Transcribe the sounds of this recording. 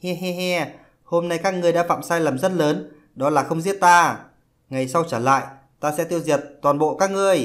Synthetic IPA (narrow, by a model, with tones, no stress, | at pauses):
hɛ˧ɦɛ˧ɦɛ˧ | ho˧mna˧jkaː˦˥k̚ŋɨ˨˩əjɗa̰ː˧˥fa̰ː˧˨msaː˧jlə˨˩mzə˦˥n̚ləː˨˦n | ɗɔ˨˦laː˨˩xə˧wŋ͡mzi˦˥ət̚t̪aː˧ | ŋa˨˩jsa˧wt͡ɕəː˧˩la̰ː˧˨j | t̪aː˧sɛ̰˧˥t̪i˧əwzi˨˩ət̚t̪waː˨˩nɓo̰˧˨kaː˦˥k̚ŋɨ˨˩əj